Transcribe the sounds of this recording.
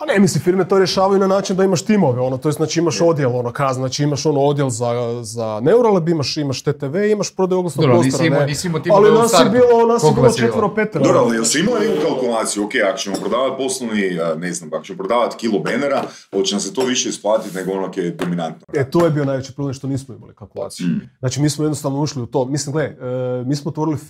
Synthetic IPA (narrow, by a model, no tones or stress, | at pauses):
panemisifiɾmet̪o̞ɾje̞ʃaːʋajunanaːt͡ʃind̪aimaʃt̪imo̞ʋeo̞not̪ojesnaːt͡ʃiimaʃo̞d̪jelo̞nokaznaːt͡ʃiimaʃo̞nood̪jelzazaneuɾalebimaʃimaʃt̪et̪eʋeimaʃpɾod̪ajuoɡlˠasoosoɾnenmoalinasjebilˠonasjebilot͡ʃeʋeɾopet̪ɾdobɾoalijelˠsiimaonekukalˠkulˠaːt̪sijuokejako̥t͡ʃemopɾod̪aːʋat̪̚po̞slˠoʋniəneznamako̥t͡ʃemopɾod̪aːʋat̪kilˠobeneɾa | olt͡ʃenas̬et̪o̞ʋiʃeisplˠaːt̪it̪neɡoonoked̪ominant̪noet̪ojebio̞najʋet͡ʃi̥pɾoblemʃt̪oniːsmoima̰likalˠkulˠa̰ːt̪sijznaːt͡ʃimiːsmojd̪nost̪aʋnouʃliut̪o̞mislimɡleəmiːsmoot̪ʋo̞ɾili